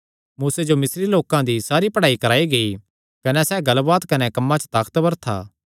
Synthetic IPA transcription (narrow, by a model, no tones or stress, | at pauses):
muːsed͡ʒomɪsɾiloːkãd̪isaːɾipɐɽaːikɐɾaːiɡɐi | kɐnɛsɛːɡɐlbaːt̪kɐnɛkɐmːãt͡ʃə̥t̪aːkt̪bɐɾt̪ʰa̰ː